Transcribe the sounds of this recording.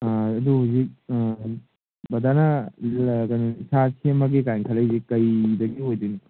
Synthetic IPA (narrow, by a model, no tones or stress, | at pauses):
duɦuzik̚ | bɐdana | kajnisasʰemaɡekajŋkʰalauzikːɐjdɐɡiɦojdini